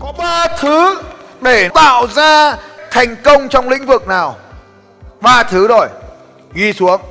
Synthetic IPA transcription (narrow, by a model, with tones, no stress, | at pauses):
kɔ˨˦ɓaː˧t̪ʰɨ˨˦ɗe˧˩t̪a̰ː˧˨wzaː˧t̪ʰa˨˩jŋ̟kə˧wŋ͡mt͡ɕɔ˧wŋ͡mlḭ̈˧˥ŋ̟vɨ˨˩k̚naː˨˩w | ɓaː˧t̪ʰɨ˨˦zo˨˩j | ɣi˧su˨˦əŋ